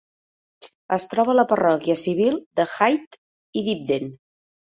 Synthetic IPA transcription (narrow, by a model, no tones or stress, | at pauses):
əst̪ɾɔβələpərɔkiəsiβ̞ilˠd̪əxajt̪ | iðib̚d̪en